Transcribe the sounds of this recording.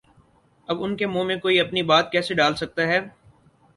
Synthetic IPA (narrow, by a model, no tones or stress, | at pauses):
ɐbʊnkemõːmẽkoːiɐpnibaːt̪̚kɛːseɖaːlsɐk̚t̪aɦɛː